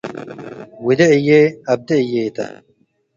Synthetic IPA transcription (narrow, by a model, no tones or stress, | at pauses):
wid̪eijeɐb̚d̪eijet̪ɐ̰